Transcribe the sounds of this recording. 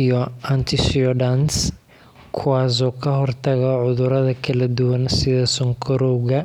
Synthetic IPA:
jɔant̪ʰɪʃiɔdans | kʰʊwaːs̬ɔːkʰɐɦɔrt̪ʰɐɣɔʕʊðʊɾɐðɐkʰɐlɐd̪ʊwɐnsɪðɐsɔŋkʰɔɾɔwɣɐ

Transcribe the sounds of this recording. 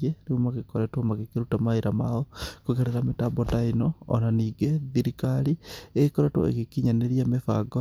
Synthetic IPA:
eɾeumaɣekɔɾɛtwɔmaɣekeɾutamaeɾamaɔkoɣeɾeɾametabɔtainɔɔ̰naniːɡeðiɾikaɾieekoɾɛtwɔ̰ḛɣekiɲaneɾiamefa̰ɡɔ

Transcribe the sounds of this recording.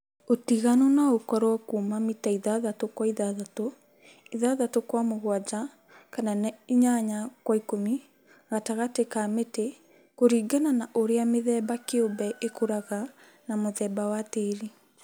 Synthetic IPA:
otiɣanɔnaokɔɾwɔkuːmamitaiðaðatokwaiðaðato | iðaðatokwamoɣwad͡ʒa | kananiɲaɲakwaikomi | ɣataɣatekaːmete | koɾiːɡananaʔoɾeameðɛːbakeobɛʔekoɾaɣa | namoðɛːbawateɾi

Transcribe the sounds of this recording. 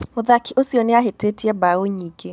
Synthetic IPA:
moðakʰiʔosiɔnɪaɦetetiɛbaoɲike

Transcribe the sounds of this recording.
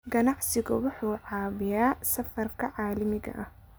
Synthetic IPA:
ɡɐnɑʕsɪɣɐ̰wʊħuːʕɑːβɪjaːsɐfɐrkʰɐʕɑːlɐmɪɡɐ̰ʔɐh

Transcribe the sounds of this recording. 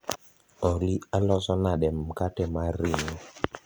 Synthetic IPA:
ɔlialɔzɔnaɗɛm̩katɛmaɾinɔ

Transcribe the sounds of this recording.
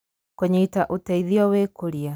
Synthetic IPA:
koɲeitaʔotɛiðiɔwekoɾia

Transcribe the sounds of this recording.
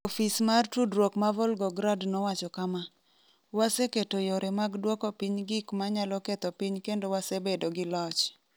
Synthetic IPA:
ofismartudɾwokmavɔlɡɔɡɾadnɔwat͡ʃɔkama | waseketojoɾʔemaɡdwɔkɔpiɲɡɪkmaɲalɔket̪ɔpiɲkendowasebedoɡɪlɔt͡ʃ

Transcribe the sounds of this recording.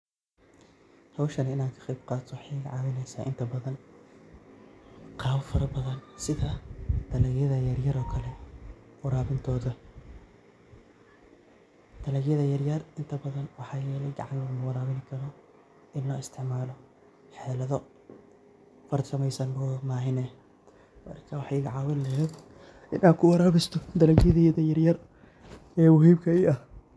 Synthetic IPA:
hɐwʃɐnɪnaːŋkʰɐ̥qɛjbqɑːt̪ʰɔħiːɣɐʕɑːwɪnɛjsaːʔɪ̰nt̪ʰɐbɐðɐn | qɑːwɐfɐɾɐbɐðɐnsɪðɐd̪̥ʰɐlɐɣjɐðɐjɐrjɐɾɔːkʰɐlɛwʊɾaːβɪnt̪ʰɔːðɐ | d̪̥ʰɐlɐɣjɐðɐjɐrjɐrɪnt̪ʰɐbɐðɐnwɑħɑːjɛːlɛjɡɐ̰ʕɑnk̪ɐmɐwɑɾaːβɪnɪkʰɐɾɔ | ɪnlɔːɪst̪ʰɪʕmaːlɔ | ħɛːlɐðɔ | fɐrsɐmɛjsɐnbɔmaːɦɪnɛ | mɐ̰rkʰɐwɑħɑjɪɣɐʕɑːwɪllɐɛd̪ | ɪnaːkʰʊwɐɾaːβɛst̪ʰɔd̪ɐlɐɣjɐðɛðɐjɐrjɐr | ɛːwʊhiːbkʰɐiɐh

